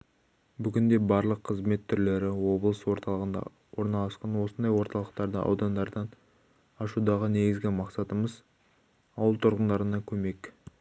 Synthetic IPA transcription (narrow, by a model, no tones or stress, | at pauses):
bʏɡʲɪnd̪e̞bɑɾlˠəqʰːəzme̞t̪ʰːʏɾle̞ɾɪwo̞blˠəswo̞ɾt̪ɑlˠʁənd̪ɑ̰ | wo̞ɾnɑlˠɑsqɑnwo̞sənd̪ɑjwo̞ɾt̪ɑlˠəqt̪ɑɾd̪ə̰ʔɑ̰wd̪ɑnd̪ɑɾd̪ɑn | ɑʃud̪ɑʁəne̞ɡʲɪzɡʲɪmɑqsɑt̪əməz | ɑwəlˠt̪ʰʊɾʁənd̪ɑɾənɑkʲʰɵme̞k